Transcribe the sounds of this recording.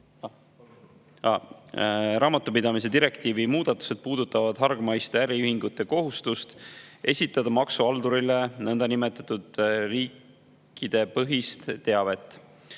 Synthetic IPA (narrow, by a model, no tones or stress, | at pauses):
ɑ | ɾɑːmɑt̪ːˑupid̪ɑmis̬e̞d̪iɾe̞kt̪iːvimuːd̪̥ɑt̪ːˑu̥se̞d̪̥̚puːd̪̥ut̪ːˑɑvɑd̪̥ɦɑrɡ̥mɑjst̪eæɾiyhiŋɡut̪ˑːe̞ko̞ɦust̪ust̪ʔe̞sʲit̪ːˑɑd̪̥ɑmɑksuɑld̪uɾile̞nɤnd̪̥ɑnime̞t̪ːˑɑt̪ːˑud̪̥riːkː | id̪̥e̞pɤɦist̪ːe̞ɑve̞t̪ˑː